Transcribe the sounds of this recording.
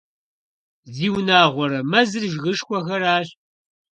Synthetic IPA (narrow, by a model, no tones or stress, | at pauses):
ziːwnaːʁʷɔɾɐmɐzɨrʒɣɨʂkʷɔxɐɾaːɕ